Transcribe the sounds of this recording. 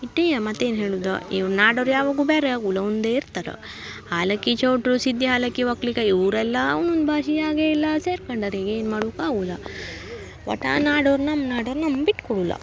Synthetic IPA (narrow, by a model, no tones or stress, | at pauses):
iʈːejɐmɐt̪ːeːnɦeːɭud̪ɐ̰ḭʋɐɾnaːɖɐɾjaːʋaɡuːbeːɾeɡulɐund̪eːiɾt̪aɾḛ | haːlɐkːit͡ʃɐwʈɾusid̪jɐɦaːlɐkːiʋɐklikɐiʋɾɛlːɐnːund̪bʱaːʃiaːɡeilːɐseːɾkɐɳɖaɾiɡeːnmaːɽuːkaːɡulːɐ | ʋɐ̰ʈa̰ːnaːɖɐɾnɐmnaːɖɐɾnɐmbiʈkɔɽulːɐ̰